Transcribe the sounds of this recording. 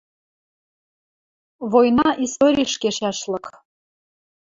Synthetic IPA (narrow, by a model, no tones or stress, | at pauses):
vojnɑʔist̪oɾʲiʃkʲeʃɑʃləkʰ